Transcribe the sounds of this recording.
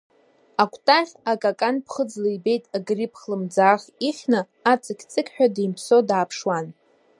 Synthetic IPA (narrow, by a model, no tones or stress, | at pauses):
akʷʰʼtʼaχʲakʼakʼanpʰχəd͡zlaibe̞jtʼaɡripʰχlɨmd͡zaːχʲiχʲnɨ | at͡sʼɨkʲʰt͡sʼɨkʲʰʼħᶣadejmpʰsodaːpʰʂwan